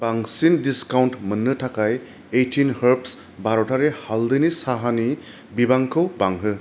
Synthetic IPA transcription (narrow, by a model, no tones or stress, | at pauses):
baŋsindiskawntmɯnːɯtʰakaj | etʰinhəɹps | baɹɔtaɹɛhaldɯnisaɦani | bibaŋkʰɯwbaŋɦɯ